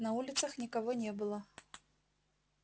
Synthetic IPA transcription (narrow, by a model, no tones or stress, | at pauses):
nɐulʲɪt̪sɐxnʲikavɔnʲɛbɨlˠɐ